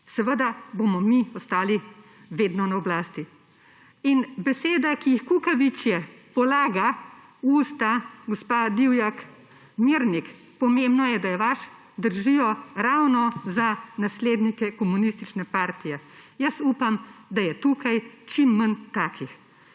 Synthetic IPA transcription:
sɛʋəd̪abomɔmiɔst̪aːli | ʋeːd̪nɔnaɔblaːst̪i | inbɛseːd̪akijixkukaʋit͡ʃjɛpɔlaːɡa | uːst̪aɡɔspad̪iwjak | miɾnik | pɔmembnɔjɛd̪ajɛʋaʃ | d̪əɾʒijɔɾawnɔzanasleːd̪nikɛkɔmunist̪it͡ʃnɛpaːɾt̪ijɛjəsuːpamd̪ajɛt̪uːkajt͡ʃimːənt̪aːkʰix

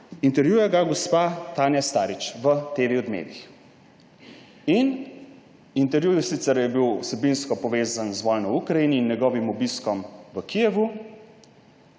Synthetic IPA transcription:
int̪ɛɾʋjuːjɛɡaɡɔspat̪aːnjast̪aːɾit͡ʃʋət̪eːʋiɔd̪mḛːt̪ix | in | int̪ɛɾʋjujusit̪sɛɾjɛbiwwsɛbinskɔpɔʋeːzanzʋɔjnɔwukɾajiniːnːjɛɡɔːʋimɔbiskɔmʋəkijɛʋu

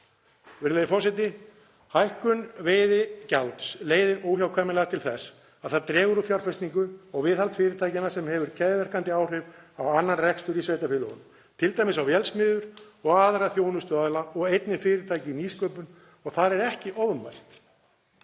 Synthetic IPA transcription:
vɪɾlejðɪfɔsɛt̪ɪ | hajhkʏnveːjðɪcalt̪sleːjðɪnoːwçjawkʰvɛːmɪlɛɣat̪ʰɪlθɛs | aðθaɾt̪ɾɛːɣʏɾʏfjaɾ̥fɛst̪niŋkʏɔɣvɪðhalt̪fɪːɾɪt̪ʰaːjcɪnḁsɛmhɛvʏɾ̥cʰɛðɪvɛɾ̥kant̪ɪaːwr̥ɪvawanːanrɛkst̪ʏɾisvejt̪afɪlɔ̰ɣʏn | t̪ʰɪlt̪ajmɪsawvjɛlsmɪːðʏɾ̥ɔɣaːðɾaθjoːwnʏst̪œːaðlaʔɔɣejt̪nɪfɪːɾɪɾt̪ʰaːjcɪniːskœːpʏn | ɔɣθaɾɛɾɛhcɪʔɔvʏmva̰jst̪

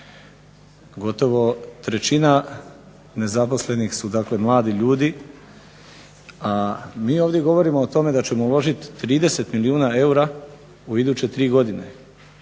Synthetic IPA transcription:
ɡo̞t̪o̞ʋo̞t̪ɾe̞t͡ɕina | ne̞zapo̞sle̞nixsud̪akle̞mlˠaːd̪iʎuːd̪i | amiːo̞ːʋd̪je̞ɡo̞ʋo̞ɾimo̞ːt̪o̞me̞d̪at͡ɕe̞moulˠo̞ʒit̪ːɾiːd̪e̞se̞t̪miliuːnae̞uɾa | uid̪uːt͡ɕe̞t̪ɾiːɡo̞d̪ine̞

